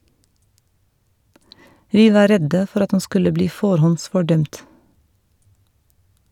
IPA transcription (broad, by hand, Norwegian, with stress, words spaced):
ˈʋiː ˈʋɑː ˈɾɛdə ˈfɔɾ ˈɑt ˈɑn ˈskʉlə ˈbliː ˈfoːɾhɔnsfɔˌɖœmt